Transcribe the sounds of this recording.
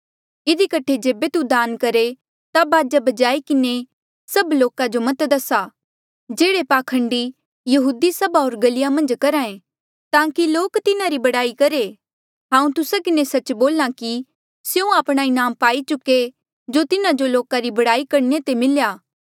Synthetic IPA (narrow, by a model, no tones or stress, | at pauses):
ɪd̪ikɐʈʰed͡ʒeːbet̪ud̪aːnkɐɾe | t̪abaːd͡ʒabɐd͡ʒaːikɪne | sɐbloːkad͡ʒomɐt̪d̪ɐsa | d͡ʒeːɽepaːkʰə̃ɳɖi | jɐɦuːd̪isɐbaɦoːɾɡɐlɪjamɐ̃nd͡ʒkɐɾaːẽ | t̪ãːkiloːkt̪ɪnaɾibɐɽaːikɐɾe | tɦãːũt̪ʊsakɪnesɐt͡ʃboːlaki | sjũaːpɽ̃aɪnaːmpaːit͡ʃʊke | d͡ʒot̪ɪnãd͡ʒoloːkaɾibɐɽaːikɐɾnet̪emɪljaː